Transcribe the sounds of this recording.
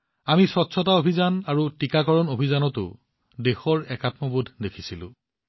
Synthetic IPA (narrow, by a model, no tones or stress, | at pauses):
amisɔtːsʰɔtaobʱizanaɹutikakɔɹɔnobʱizanɔtʊ̰ | dexɔɹɛkatmɔbudʱdekʰi̥silʊ̰̃